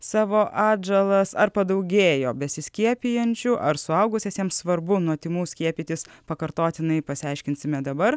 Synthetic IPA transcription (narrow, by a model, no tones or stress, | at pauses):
sɑːʋoːʔɑːd͡ʒɛlˠɐsɐɾpɐd̪ɐʊɡʲeːjoːbʲɛsʲɪsʲkʲiɛpʲijɛnʲt͡ʃʲʊʔɐɾsʊɐʊɡʊsʲesʲiɛmssʋɐɾbʊnuɔt̪ʲɪmuːsʲkʲiɛpʲiːt̪ʲɪs | pɐkɐɾt̪oːt̪ʲɪnɐɪpɐsʲɪɑɪʃʲkʲɪnʲsʲɪmʲɛd̪ɐbɐɾ